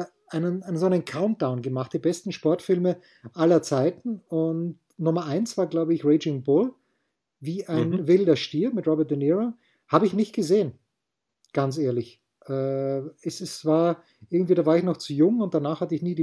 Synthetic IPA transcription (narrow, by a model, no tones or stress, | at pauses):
ʔaɪnənaɪnənzoænənkʰaʊnt̚d̥aʊnɡəmaχt̚d̥iːbɛstn̩ʃpɔɐtfɪlmə | ʔalɐt͡saɪtn̩ʊnt | nʊmɐʔaɪnsv̥aːɐɡlaʊbəɪçʁeɪd͡ʒɪŋbʊl | viːʔaɪnvɪldɐʃtiːɐmɪtʁɔbɛɐt̚d̥əniʁo | haːbəɪçnɪçt̚ɡ̥əzeːən | ɡ̥anseːɐlɪç | ʔɛːɛsɛsv̥aːɐ | ʔɪɐɡŋ̩tv̥iːdaːvaːɐɪçnɔχt͡sujʊŋʊnt̚d̥anaːχhatəɪçniːdiː